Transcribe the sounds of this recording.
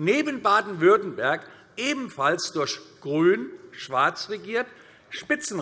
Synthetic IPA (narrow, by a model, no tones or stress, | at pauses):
neːbənbaːdn̩vʏɐtn̩bɛɐk | ʔeːbm̩falsd̥ʊɐçɡ̥ʁyːnʃv̥aɐt͡sʁeɡiːɐt | ʃpɪt͡sn̩